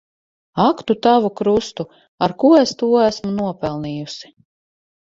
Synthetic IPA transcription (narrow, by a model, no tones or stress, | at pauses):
akt̪ut̪avukɾust̪u | aɾkuest̪uːæsmunuɔpɛlˠniːjusi̥